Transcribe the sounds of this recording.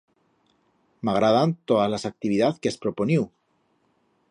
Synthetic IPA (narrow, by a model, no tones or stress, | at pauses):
maɣ̞ɾaðant̪oðalasak̚t̪iβiðaθkeaspɾo̞poniw